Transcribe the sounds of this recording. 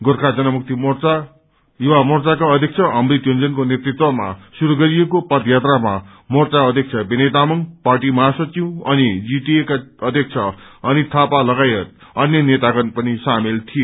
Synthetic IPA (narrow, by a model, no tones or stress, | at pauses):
ɡorkʰad͡zʌnʌmuk̚t̪imort͡sa | juwamʌrt͡sakaʌd̪ʱʌk̚t͡sʰʌʌmrit̪jond͡zʌnkonet̪rit̪wʌma̰suɾuɡʌɾijekopʌd̪jat̪rama | mʌrt͡saʌd̪ʱjʌk̚t͡sʰʌbenet̪amʌŋparʈimʌɦasʌt͡sĩw̃ʌnid͡ziʈiekaʌd̪ʱʌk̚t͡sʰʌʌnit̪ʰapalʌɡajʌt̪̚ | ʌnjʌnet̪aɡʌnpʌnisamelt̪ʰije